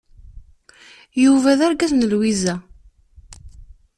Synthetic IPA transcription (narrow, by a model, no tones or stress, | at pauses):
juvæðaɾɡæθnəlwizæ